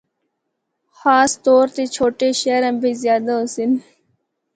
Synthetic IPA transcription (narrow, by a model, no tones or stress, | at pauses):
xaːst̪oːɾt̪et͡ɕʰoːʈeɕeːɾɐmbizjaːd̪aosin